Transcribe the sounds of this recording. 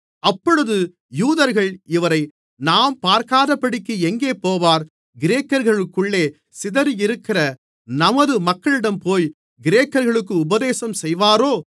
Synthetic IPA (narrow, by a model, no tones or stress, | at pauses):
ɐpːɔɻɯðɯ | juːðɐɾɣɐɭɪʋɐɾɐɪ | naːmpaːɾkaːðɐpːɐɽɪkːɯɛŋɡeːpoːʋaːɾ | ɡɪɾeːkːɐɾɣɐɭɯkːɯɭːeː | sɪðɐɾjɪɾɯkːɪrɐ | nɐmɐðɯmɐkːɐɭɪɽɐmpoːj | ɡɪɾeːkːɐɾɣɐɭɯk̬ːɯʊbɐðeːsɐmsɛjʋaːɾoː